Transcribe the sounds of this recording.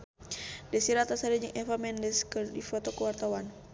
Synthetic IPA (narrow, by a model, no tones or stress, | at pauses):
dɛsiɾat̪asaɾɛd͡ʒɨŋʔɛfamɛndɛskədifɔt̪ɔkəwart̪awan